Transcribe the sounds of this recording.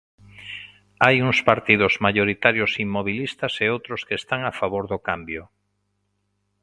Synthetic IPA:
ajuŋspaɾt̪iðʊzmaʎoɾit̪aɾjʊsimːoβ̞ilist̪ɐseowt̪ɾʊskest̪aŋafaβoɾðʊkambjʊ

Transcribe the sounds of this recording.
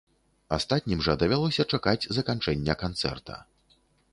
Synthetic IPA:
ast̪at̪ʲnʲimʐɐd̪ɐvʲalˠɔsʲɐt͡ʂakad͡zʲzɐkant͡ʂɛnʲːɐkant̪sɛ̰rt̪ʰɐ̰

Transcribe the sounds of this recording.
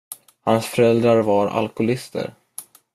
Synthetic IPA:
hansfœɾɛld̪ɾaɾvaɾa̰lkʊlɪst̪ə̰ɾ

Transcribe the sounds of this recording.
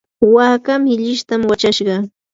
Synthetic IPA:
waːkamɪʎɪʃt̪amwat͡ʃaʃɢɑ

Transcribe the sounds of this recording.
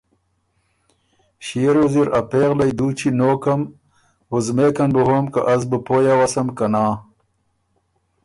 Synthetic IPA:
ɕiɾoziɾɐpeːɣlɐjd̪uːt͡ɕʰinoːkɐm | wuzmeːkɐnbəɦomka̰ʔɐzbɨpoːjawɐsɐmkɐnaː

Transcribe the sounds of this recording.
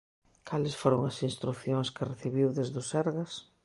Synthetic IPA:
kʰalɪsfoɾoŋɐsĩnst̪ɾuθjoŋskɪreθiβiwðezðʊsɛɾɣɐs

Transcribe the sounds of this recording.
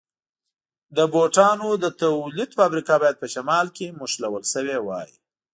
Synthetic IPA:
d̪əboʈɑnod̪ət̪awlid̪fabɾikɑbɑjad̪̚pəʃamɑlkemuʃlawəlsəwewɑ̰jḭ

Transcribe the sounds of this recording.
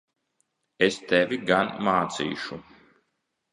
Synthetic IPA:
est̪ɛvʲiɡanmaːt̪sḭːʃu

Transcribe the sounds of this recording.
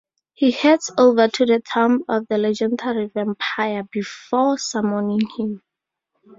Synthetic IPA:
hihɛdsovatʰuðətʰãmɔfðəlɛd͡ʒɛ̃ndaɹivɛ̃mpʰajabifɔsamɔnĩŋhĩm

